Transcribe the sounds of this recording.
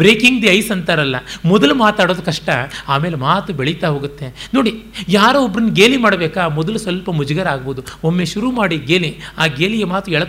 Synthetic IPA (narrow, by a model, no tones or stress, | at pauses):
bɾeːkiŋɡd̪iɐjsɐnt̪aːɾɐlːɐmɔd̪ɐlumaːt̪aːɽoːd̪ɐkɐʂʈɐaːmeːlemaːt̪ubeɭit̪aɦo̞ːɡut̪ːe̞no̞ːɽijaːɾuɔbɾɐnːuɡeːlimaːɽɐbeːkamɔd̪ɐlusʋɐlpɐmud͡ʒɡɐɾaːɡboːd̪uomːeʃuɾumaːɽiɡeːliaːɡeːliɡemaːt̪uɛɭɐ